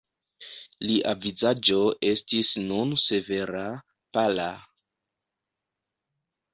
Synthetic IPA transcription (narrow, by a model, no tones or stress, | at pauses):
liʔavizad͡ʒo̞ʔe̞stisnunse̞ve̞ɾa | pala